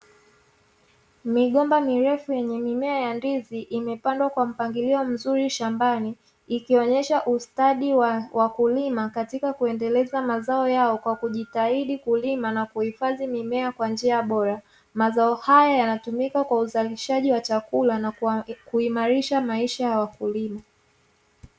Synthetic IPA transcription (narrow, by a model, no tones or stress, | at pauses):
miɠɔmbamiɾɛfujɛɲɛmimɛajandiziʔimɛpandwakwam̩paŋɡiliɔm̩zuɾiʃambaniː | kiɔɲɛʃaʔustaɗiwwʔakulimakatikakuɛndɛlɛzamazaɔjaɔkwakuʄitaiɗikulimanakuhifaðimimɛakwand͡ʒiaɓɔɾa | mazaɔhajajanatumikakwauzaliʃaʄiwat͡ʃakulanakuimaɾiʃamaiʃajawakulima